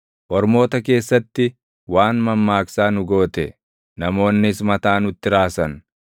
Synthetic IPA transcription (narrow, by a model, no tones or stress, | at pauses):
ʔɔɾmo̞ːt̪ɐke̞ːsːɐt̪ːɪ | waːnmɐmːaːksaːnʊɡo̞ːt̪ɛ | nɐmo̞ːnːɪsmɐt̪aːnʊt̪ːɪɾaːsɐn